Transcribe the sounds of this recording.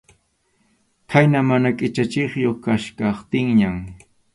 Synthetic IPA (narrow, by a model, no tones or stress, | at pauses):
kʰajnamanakʼɪt͡ʃat͡ʃɪχjoχkaʃkɑχt̪ɪŋɲam